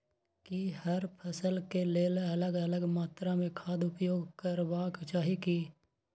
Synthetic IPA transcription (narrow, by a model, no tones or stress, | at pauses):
kihəɾpʰəsəlkeleːlələɡələɡmaːt̪ɾamẽkʰaːd̪ʊpjoːɡkəɾbakt͡ʃaːɦiki